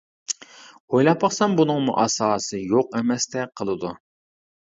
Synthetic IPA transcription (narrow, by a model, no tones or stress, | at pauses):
ojlˠɑpːɑχsɑmbunɨŋmṵʔɑsɑːsɨjoqɛmɛst̪ɛqʰəlˠɨd̪u